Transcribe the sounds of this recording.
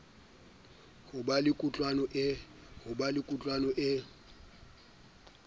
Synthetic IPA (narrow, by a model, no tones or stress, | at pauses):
hʊbalɪkʼut͡ɬʼwanɔʔɪhʊbalɪkʼut͡ɬʼwanɔʔɪ